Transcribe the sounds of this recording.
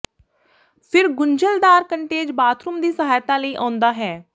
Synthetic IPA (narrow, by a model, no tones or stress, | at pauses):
pʰɪɾɡʊɲd͡ʒəld̪aːɾkəɳʈeːd͡ʒbaːt̪ʰɾʊmd̪iːsəɦaːjt̪ãːləiːʔãːnd̪aːɦɛː